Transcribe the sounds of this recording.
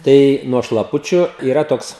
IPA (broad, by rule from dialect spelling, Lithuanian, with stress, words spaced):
ˈtɐɪ nuɔ ʃlˠɐˈpʊt͡ʃʲʊ iːˈrɐ ˈtoːks